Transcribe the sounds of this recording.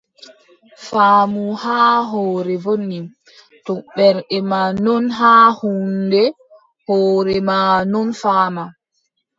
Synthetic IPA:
faːmuhaːɦɔːɾɛvonːi | tɔɓɛɾɗɛmanɔnɦaːhundɛ | hɔːɾɛmanɔnfaːma

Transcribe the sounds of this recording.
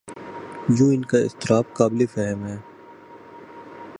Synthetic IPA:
jõːɪnkaɪ̰st̪ɪɾaːbqaːbɪlefɛːɦəmɦɛː

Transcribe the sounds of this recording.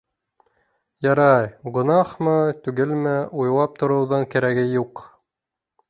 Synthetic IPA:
jɑɾɑjɡŏnɑχmɤt̪ʉɡɘlmæʔujlˠɑp̚t̪ŏɾɤ̆wðɤɴkæɾæɡɘjuq

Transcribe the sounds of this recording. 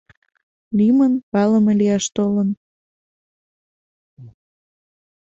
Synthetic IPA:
limənpɑləmeliɑʃt̪olən

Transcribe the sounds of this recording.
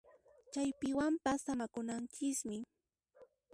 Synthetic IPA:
t͡ʃajpɪwampasːamakʊnant͡ʃɪsmɪ

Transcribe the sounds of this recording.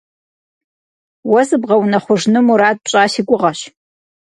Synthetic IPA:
wɐzɨbʁɐwnɐχʷʊʐnɨmuɾaːd̚pɕʼaːʃiɡʷʼʊʁɐɕ

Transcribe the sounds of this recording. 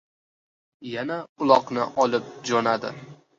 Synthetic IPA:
janaʊlˠɒqnɪ̰ʔɒlˠɪp̚d͡ʒɒnad̪ɪ̰

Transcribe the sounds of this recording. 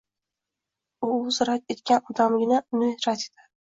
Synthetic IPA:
ʊzɾak̚ʲet̪kʲanɒd̪amɡʲɪnanɪeɾat̪ʰe̥d̪ʰḁ

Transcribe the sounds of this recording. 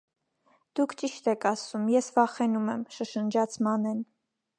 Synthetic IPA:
d̪̥ukʰt͡ʃiʃt̪ɛkʰɑsumjɛsvɑχɛnumɛmʃəʃənd͡ʒɑt͡sʰmɑnɛn

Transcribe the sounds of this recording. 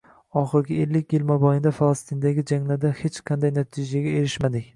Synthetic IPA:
ɒχɨɾɡʲɪelːɪkʲjɪlmabɒjɪnd̪afalˠɑst̪ʰɨnd̪aɡʲɪd͡ʒaŋlad̪ahet͡ʃqʰɑnd̪ajnat̪ʰɪd͡ʒaɡʲae̞ɾɪʃmad̪ɪkʲ

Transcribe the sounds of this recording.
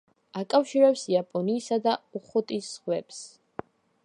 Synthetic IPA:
akʼafʃiɾɛpsiapʼɔniːsad̪auχɔt̪ʼisːχwɛbs

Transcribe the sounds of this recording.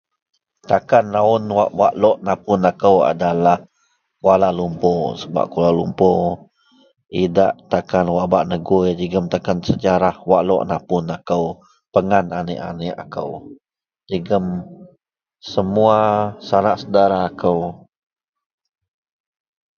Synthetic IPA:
t̪akanraʊnwa̰ʔwaʔlɔʔnapʊnakəwa̰dalah | walalumpɔsəba̰ʔkulalumpɔ | idaʔt̪akanwaʔbaʔnəɡujd͡ʒəɡəmt̪akansəd͡ʒaɾahwaʔlɔ̰ʔnapʊnakəw | pəŋananɪ̰ʔa̰nɪʔa̰kə̰w | d͡ʒəɡəm | səmuasanaʔsədaɾaːkʰəw

